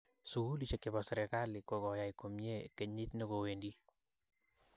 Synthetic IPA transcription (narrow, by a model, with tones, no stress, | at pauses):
su˨ɡu˦lit͡ʃe˨kɪ˨bɔ˨sɛ˨ɾɛ˨ka˦lɪko˨kɔ˨ja˨jko˨mje˦ke˨ɲi˦t̪neko˨we˨ndi˦